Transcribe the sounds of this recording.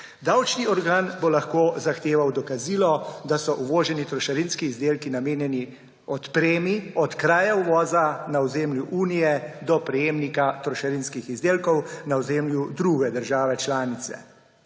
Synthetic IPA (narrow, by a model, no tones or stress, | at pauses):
d̪awt͡ʃniɔɾɡaːnbolaxkoːzaxt̪eːʋawd̪ɔkaziːlɔd̪asɔʔuʋoːʒɛnit̪ɾɔʃaɾinskiːzd̪eːlkinameːnjɛni | ɔt̪pɾeːmiɔt̪kɾaːjauʋɔːzanaɔzeːmljuʔuːnijɛd̪ɔpɾɛjeːmnikat̪ɾɔʃaɾinskixizd̪eːlkɔwnaɔzeːmljud̪ɾuɡɛd̪əɾʒaːʋɛt͡ʃlaːnit̪sɛ̰